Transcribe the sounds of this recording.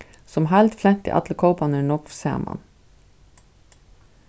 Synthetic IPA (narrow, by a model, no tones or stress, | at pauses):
sɔmhælt̪flɛnt̪ɪ̰ʔɑ̰t̪l̩əkʰoʊpɑnəɳɔkfsḛːmɑ̰n